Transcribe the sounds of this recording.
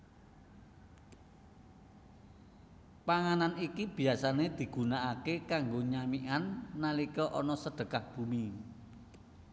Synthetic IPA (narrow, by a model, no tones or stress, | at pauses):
paŋananikib̥i̤asaned̪̥i̤ɡ̥ṳnaʔakekaŋɡoɲamiʔanːalikɔʔɔnɔsəɖ̥ə̤kahb̥ṳmi